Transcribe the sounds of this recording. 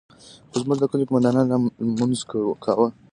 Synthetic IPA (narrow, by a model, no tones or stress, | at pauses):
xozmʊʒd̪əkəlekʊmand̪ɑnɑnnamunzkkʰawəl